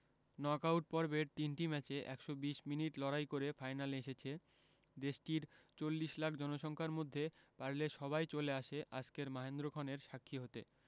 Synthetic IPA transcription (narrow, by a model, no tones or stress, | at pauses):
nɔkawʈ̚pɔɾbeɾt̪inʈimɛt͡ɕeʔɛ̰kʃobiʃminiʈlɔɾajkoɾefajnaleʃet͡ɕʰe | d̪eʃʈiɾt͡ɕolːiʃlakʰd͡ʑɔnoʃɔŋkʰaɾmod̪ʱːepaɾleʃɔbajt͡ɕoleaʃeʔa̰d͡ʑkeɾmaɦend̪ɾokʰaneɾʃakʰːiɦot̪e